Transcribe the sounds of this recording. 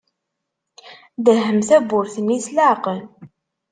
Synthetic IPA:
ðəɦəmθæbʊɾθənːislaʕqəl

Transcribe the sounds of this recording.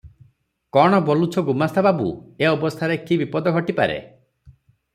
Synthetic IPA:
kɔɽ̃ɔbɔlut͡ʃʰɔɡumast̪ʰababṵeɔbɔst̪ʰaɾekibipɔd̪ɔɡʱɔʈipaɾḛ

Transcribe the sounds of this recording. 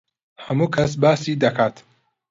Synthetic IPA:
hɐmukʰɐs̬baːsid̪ɐkʰaːt̪

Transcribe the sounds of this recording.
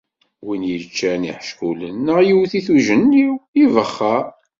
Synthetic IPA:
winjət͡ʃːænḭħʃkulənːəʁjiwθiθuʒənːiwivəχːa

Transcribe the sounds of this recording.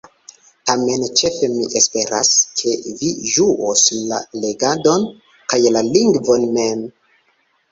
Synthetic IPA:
tame̞nt͡ʃe̞fe̞miʔespe̞ɾa̰skʰe̞viʒuʔosla̰le̞ɡado̞n | kajlaliŋɡvo̞nme̞m

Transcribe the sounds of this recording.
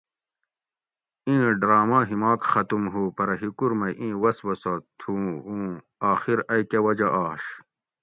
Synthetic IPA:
ĩːɖɾaːmaɦimaːkxɐt̪umɦupɐɾɐɦikuɾmɐʔĩːwɐswɐsɐt̪ʰuũː | aːxiɾɐjkewɐd͡ʑɐʔaːɕ

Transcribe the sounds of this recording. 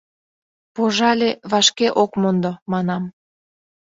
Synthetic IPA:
poʒɑlʲeβɑʃkeʔokmond̪omɑnɑm

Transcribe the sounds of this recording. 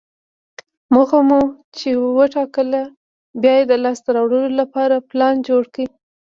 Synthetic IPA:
məɣamu | t͡ʃewəʈɑkəla | bjɑjed̪əlɑst̪aɾɑwɽəlolapɑɾaplɑnd͡ʒoɽkɽi

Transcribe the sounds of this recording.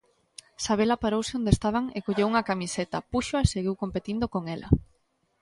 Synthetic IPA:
saβ̞elapaɾowsɪond̪est̪aβ̞aŋekoʎewuŋɐkamiset̪ɐpuʃoaeseɣiwkompet̪ind̪okoŋelɐ̰

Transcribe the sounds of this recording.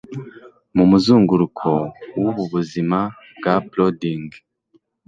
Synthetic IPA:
mumuzuːŋɡuɾukʰowuβuβuzima | b̚ɡaplodiŋɡ

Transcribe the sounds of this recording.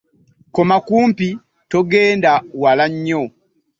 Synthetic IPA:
komakuːmpi | toɡeːndawalaɲːo

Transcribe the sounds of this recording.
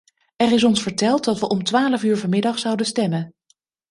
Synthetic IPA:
ɛrɪs̬ɔnsfəɹtɛlˠt̚dɑtʋəʔɔmtʋaːləvyːɹvɑmɪdɑχsɑwdənstɛmən

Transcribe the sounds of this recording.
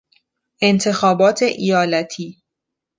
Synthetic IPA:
ʔe̞nt̪ʰe̞xɒːbɒːt̪ʰe̞ʔijɒːlæt̪ʰiː

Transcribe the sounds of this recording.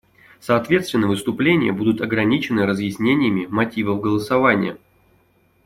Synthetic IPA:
sɐːt̪vʲe̞t̪st̪ʲɪnːəvɨst̪ʊplʲenʲɪjə̰bud̪ʊt̪ɐɡɾɐnʲit͡ɕɪnːɨɾəzjɪsʲnʲenʲɪjəmʲɪmɐtʲivəfɡəlˠəsɐvanʲɪ̰jə̰

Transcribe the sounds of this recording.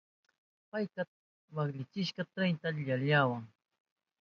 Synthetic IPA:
pajka | wakʎɪt͡ʃɪʃkɑt̪ɾaj̪t̪aʎaɾʎaːwaŋ

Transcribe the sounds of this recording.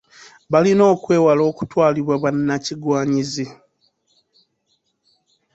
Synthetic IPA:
βalino̞ːkwe̞ːwalo̞ːku̥twaːliβwaβanːaciɡwaːɲizi

